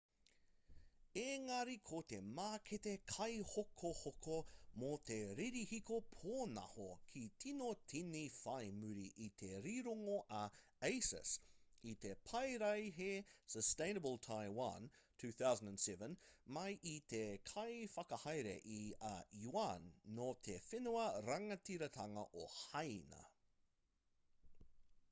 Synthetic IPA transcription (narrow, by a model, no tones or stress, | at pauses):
eŋɐɾikʰot̪emaːkʰetekʰɐjhokʰohokʰomot̪eɾiɾihikopʰoːnɐ̰hokʰitʰinotʰinifɐjmʉɾiʔit̪ʰeɾiɾoŋoʔɐ | ejsə̰sit̪epʰɐjɾɐjɦesəstẽɪ̃nəbəlˠtʰaɪwɐntʰʉːθawzə̃ndə̃nsɛvə̃nmɐjʔit̪ʰekʰɐjfɐkɐhɐjɾḛʔiɐjuanːotʰefɪnuɐɾɐŋɐtiɾɐtʰɐŋɐ̰ʔohɐjnɐ̰